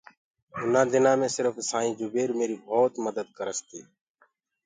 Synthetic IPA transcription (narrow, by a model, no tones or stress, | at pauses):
ʊnãːd̪ɪnãːmẽːsɪɾfsaːĩːd͡ʒʊbeːɾmeːɾiːbʱoːt̪məd̪əd̪kəɾəst̪iː